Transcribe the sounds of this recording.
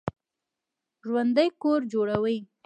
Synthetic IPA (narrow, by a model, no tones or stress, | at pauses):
ʒwand̪əjkoɾd͡ʒoɽawəj